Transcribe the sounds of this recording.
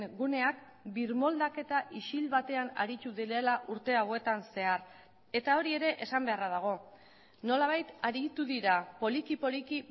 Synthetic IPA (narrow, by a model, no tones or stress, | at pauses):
ɡune̞ak̚ | biɾmo̞ld̪ake̞t̪aʔiʃilβat̪e̞ana̰ɾit̪uðiɾe̞laʔuɾt̪e̞awe̞t̪anse̞aɾ | e̞t̪ao̞ɾie̞ɾe̞ʔesambe̞arað̞aɣ̞o̞ | no̞laβ̞ajt̪aɾit̪uðiɾapo̞likipo̞liki